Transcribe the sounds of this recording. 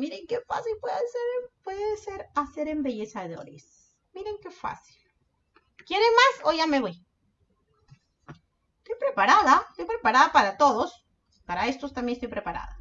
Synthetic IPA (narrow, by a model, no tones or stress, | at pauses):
miɾeŋkefa̰silpweðeseɾpweðese̞ɾase̞ɾe̞mbe̞ʝe̞saðo̞̰ɾḛs | miɾeŋke̞fa̰sil | kjeɾemasoʝame̞βoj | est̪o̞jpɾe̞paɾaðast̪o̞jpɾe̞paɾaðapaɾat̪o̞ðo̞s | paɾae̞st̪ost̪amjenest̪ojpɾe̞paɾa̰ða̰